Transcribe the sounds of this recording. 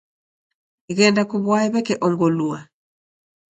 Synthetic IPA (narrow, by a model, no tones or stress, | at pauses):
iɣɛndakuβwaɛβɛkɛʔɔŋɡɔlua